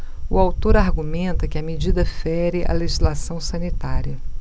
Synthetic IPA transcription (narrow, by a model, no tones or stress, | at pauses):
ʊawt̪oɾaɦɡumẽnt̪ɐkɪɐmed͡ʒid̪ɐfɛɾɪʔɐ̰leʒizlasɐ̃w̃sɐ̃nit̪aɾiɐ